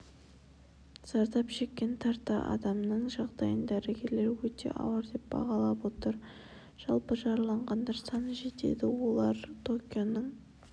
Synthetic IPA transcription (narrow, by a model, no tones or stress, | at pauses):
z̥ɑɾd̪ɑpʃe̞kʲːe̞nt̪ʰɑɾt̪ːɑ̰ʔɑ̰d̪ɑmnəɴʒɑʁd̪ɑjənd̪æɾeɡʲe̞ɾle̞ɾwɵt̪e̞̰ʔɑ̰wɑɾd̪e̞p̚bɑ̰ʁɑlˠɑbwo̞t̪əɾ | ʒ̥ɑlˠpəʒɑɾlˠɑɴʁɑnd̪ɑɾsɑnəʒe̞t̪e̞̰d̪ɪwo̞lˠɑɾt̪ʰo̞kʲionəɴ